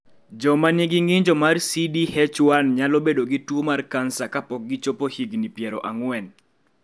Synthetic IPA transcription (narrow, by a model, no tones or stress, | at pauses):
d͡ʒɔmaniɡɪŋɡɪɲd͡ʒɔmarsidihɛt͡ʃwanɲalɔbedoɡitwomarkansakapɔk̚ɡɪt͡ʃopohiɡnipjɛɾɔʔaŋwɛn